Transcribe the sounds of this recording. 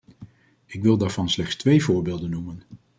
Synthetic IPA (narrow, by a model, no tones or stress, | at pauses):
ɪkʋɪlˠdaːɹv̥ɑnslɛχstʋejvʊːɹbɪːlˠdənːumən